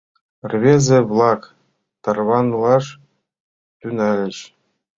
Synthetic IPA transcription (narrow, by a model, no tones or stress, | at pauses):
rʲvʲezʲɘ̆vlˠɑk | t̪ɑrvɑnlˠɑʂ | t̪ʲynælʲɘ̆ɕ